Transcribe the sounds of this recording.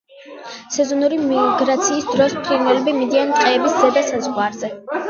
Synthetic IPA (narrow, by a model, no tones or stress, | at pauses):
sɛzɔnuɾimiɡɾat̪sʰiːsd̪ɾɔspʰɾiɾnɛlɛbimid̪iant̪ʼqʼɛːbiszɛd̪asazʁwaɾzɛ